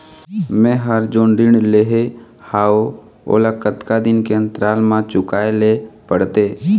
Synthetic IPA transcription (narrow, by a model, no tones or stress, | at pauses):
mɛ̃ɦəɾd͡ʒoːnɖ̪ɪɳleːɦe | haːo | o̰ːlakət̪kad̪ɪnkeə̃nt̪ɾaːlmãt͡ʃʊkaːelepəɽt̪eː